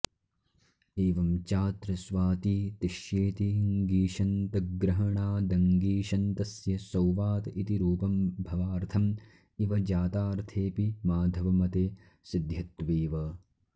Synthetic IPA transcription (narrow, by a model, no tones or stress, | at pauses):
eːʋɐmt͡ʃaːt̪ɾɐsʋaːt̪iːt̪iʃjeːt̪iŋɡiːʃɐnt̪ɐɡɾɐɦɐɳaːd̪ɐŋɡiːʃɐnt̪ɐsjɐsɐwʋaːt̪it̪iɾuːpɐmbʱɐʋaːɾt̪ʰɐm | iʋɐd͡ʒaːt̪aːɾt̪ʰeːpimaːd̪ʱɐʋɐmɐt̪eː | sid̪ʱjɐt̪ʋeːʋɐ